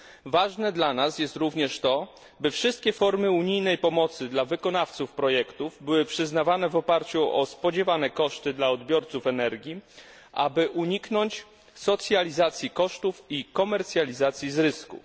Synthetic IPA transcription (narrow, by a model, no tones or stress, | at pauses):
vaʐnɛd̪lanasjɛst̪ɾuvɲɛʂt̪ɔ | bɘfʂɘst̪̚kʲɛfɔɾmɘuɲijnɛjpɔmɔt̪sɘd̪lavɘkɔnaft̪sufpɾɔjɛkt̪uvbɘwɘpʂɘznavanɛvɔpaɾt͡ɕuɔspɔd͡ʑɛvanɛkɔʂt̪ɘd̪laɔd̪bʲjɔɾt̪sufɛnɛɾɡʲji | ʔa̰bɘʔuɲiknɔɲt͡ɕ | sɔt̪sʲjalʲizat̪sʲjikɔʂt̪ufikɔmɛɾt̪sʲjalʲizat̪sʲjizɾɘskṵ